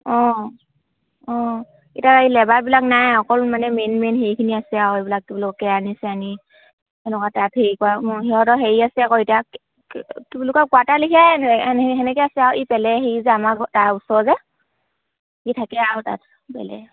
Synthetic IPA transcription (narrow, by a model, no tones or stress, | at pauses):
ɔ̃ | ɔ̃ | itakailɛbabilaknajhɔkɔlmanɛmenmenɦejkʰiniasɛawebilak̚tibalɔkɔkɛanisɛani | ɛlɔkatatheikɔaɦiɦɔtɔɦeɹiasɛakɔita | kibalʊkɔkɔatalikʰɛnnɦɛnɛkɛasɛawʔipɛlɛɦijzɛamaktausɔzɛ | hitʰakɛawta̰t | pɛ̰lɛ̰